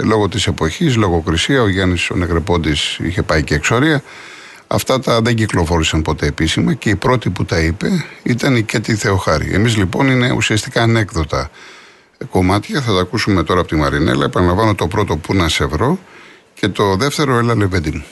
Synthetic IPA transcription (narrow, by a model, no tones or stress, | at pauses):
lo̞ɣo̞t̪ise̞po̞çis̬lo̞ɣo̞kɾisiɐoʝɐniso̞̰neɣɾepond̪isḭçe̞pɐiceːkso̞ɾiɐ | ɐ̰ft̪ɐt̪ɐðe̞ɲɟiklo̞fo̞ɾisɐnpo̞t̪e̞ːpisimɐce̞ipɾo̞t̪iput̪ɐipe̞it̪ɐnicet̪iθe̞o̞xɐɾḭʔḛmizlipo̞nine̞ṵsiɐst̪ikɐːne̞kðo̞t̪ɐ | ko̞mɐt̪çɐθɐt̪ɐːkusume̞t̪o̞ɾɐpot̪imɐɾine̞̰lɐ̰epɐnɐlɐɱvɐnot̪o̞pɾo̞t̪o̞punɐse̞vɾo̞ | ce̞t̪o̞ðe̞ft̪e̞ɾo̞elɐleved̪imu